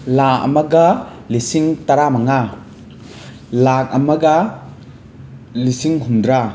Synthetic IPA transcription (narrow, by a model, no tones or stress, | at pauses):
laɐ̰mɐɡɐlisiŋtɐɾamɐŋa | lak̚ɐmɐɡɐ | lisiŋɦundɾa